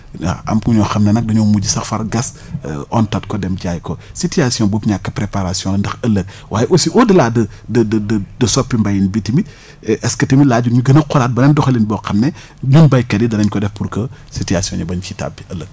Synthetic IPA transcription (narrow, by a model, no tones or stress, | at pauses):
a̰ɐ̰mkuɲɔxɐmnenɐk̚dɐɲɔmuɟisɐxfɐɾɡɐs | ɔntɐt̚kɔdɛmɟaːjkositiasijɔ̃bopɲakːɐpɾepaɾasjɔ̃lɐndɐxɐlːɐk̚ | wʔa̰ːjʔosiʔodɐlaːdɐ | dɐdɐdɐdɐsɔpːimbajinbitimit̚ | ʔɛskɐtɐmilaːɟunɲuɡɐnɐqɔɾat̚bɐnendɔxɐlinbɔxɐmne | ɲunbajkɐdidɐnɐɲkɔdɛfpuɾko | sitiasiɔ̃ɲɐbɐnt͡ʃita̰biɐlək̚